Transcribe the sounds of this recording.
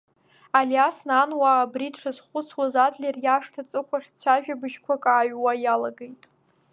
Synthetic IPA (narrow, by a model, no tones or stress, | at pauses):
alijasnanwabritʰʂʰazχʷʊt͡sʰwazatʼlʲerjaʂtʰat͡sʼɨkʷʰaχʲt͡ɕʷʰaʒᶣabɨʃkʷʰakʼaːɥwajalaɡejtʼ